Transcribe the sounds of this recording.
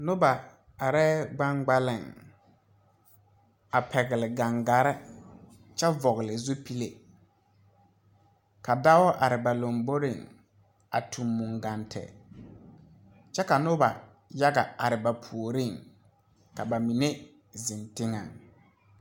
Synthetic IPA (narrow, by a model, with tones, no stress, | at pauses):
nʊ˦ba˨ | a˨ɾɛ˦ɡ͡ba˦ŋɡ͡ba˦lɪ˨ŋ | a˨pʰɛ˨ɣɪ˨lɪ˨ɡa˨ŋɡa˨ɾɛ˦ | t͡ʃɛ˦vɔ˨ɣɪ˨lɪ˨zʊ˦pi˦le˨ | ka˨da˦ɔ˦ʔa˨ɾɪ˨ba˨lo˨mbo˦ɾɪ˨ŋ | a̰˨tʰu˨mːu˨ŋɡa˨ntʰɛ̰˨ | t͡ʃɛ˦ka˨nʊ˦ba˨ | ja˦ɡa˨a˨ɾɪ˨ba˨pʰu˨o˨ɾi˦˨ŋ | ka˨ba˨mi˨ne˦ | zɪ˨ntɪ˦ŋa̰˨ŋ